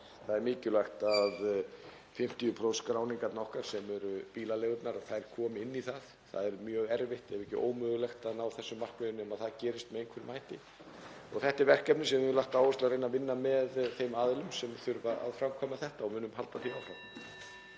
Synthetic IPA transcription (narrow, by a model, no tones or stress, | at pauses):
θaðɛɾmɪːcʏlajxt̪að | fɪm̥t̪ijʏpʰɾowskɾaːwniŋkat̪nɔhkaɾ̥sɛmɛɾʏpiːlaleːɣʏp̪naɾaðθaðɛɾ̥kʰɔːmɪɪnːiθað | θa̰ðɛɾmjœːɣɛɾvɪht̪ɛvɛhcɪ̰ʔo̰ːwmʏːɣʏlɛxt̪anawθɛsːʏmːar̥kveʏnɛmaðθaðcɛːɾɪst̪̚mɛejnkʰvɛɾɪmaːjht̪ɪ | ɔɣθɛht̪ɛɾvɛr̥kɛpnɪsɛmvlaht̪awvɔst̪aɾejnːavɪnːamɛðθejmaːðɪlʏmsɛmθʏɾvaa̰ðfɾawmkʰɔmaθɛht̪aɔmʏːnːʏmhalt̪aθiawfɾawm